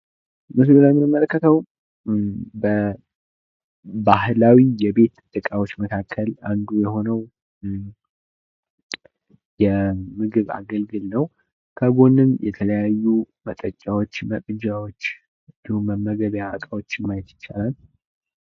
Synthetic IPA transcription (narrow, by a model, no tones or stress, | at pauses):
mɨs̬ɡɨlamnɨmələkːət̪ʰəw | bə | bahlawijɛbe̞t̪ːʼɨd̪̥ʼːɨkʼawo̞t͡ʃːməkʰakʰːəland̪ujɛho̞nəw | jɛmɨɡɨβa̰ɡəlɡɨlnəw | kʰəɡo̞nɨnjɛt̪ʰələjajːu | mət̪ʼət͡ʃʼːawo̞t͡ʃːməkʼɨd͡ʒawo̞t͡ʃː | ɨnd̪ihumːəmːəɡəβjaəkʼawo̞t͡ʃːɪmajɛt̪jɪt͡ʃːalal